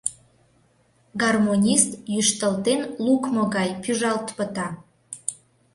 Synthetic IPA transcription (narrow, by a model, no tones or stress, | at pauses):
ɡɑrmonʲist̪jyʃt̪əlt̪enlukmoɣɑjpyʒɑlt̪pət̪ɑ